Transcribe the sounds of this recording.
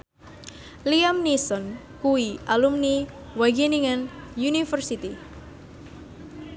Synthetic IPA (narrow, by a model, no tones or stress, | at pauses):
liamnisɔn | kuiʔalumni | waɡiniŋanjunifərsit̪i